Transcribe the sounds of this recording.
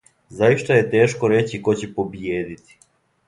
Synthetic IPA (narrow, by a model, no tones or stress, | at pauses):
zajiʃt̪aje̞t̪e̞ːʃko̞ɾe̞t͡ɕiko̞t͡ɕepo̞bjeːd̪it̪i̥